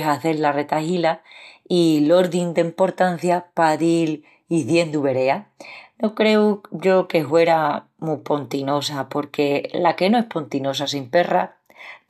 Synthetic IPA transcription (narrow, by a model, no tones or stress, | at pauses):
ɦaθe̞ɾlare̞t̪aɦilailo̞ɾðind̪eimpo̞ɾt̪an̟θjapaðil | iðje̞nd̪uβe̞ɾe̞ano̞kɾe̞uʝo̞ke̞ɦwe̞ɾa | mupo̞nt̪ino̞sapo̞ɾke̞lake̞noe̞hpo̞nt̪ino̞sasimpe̞ra̰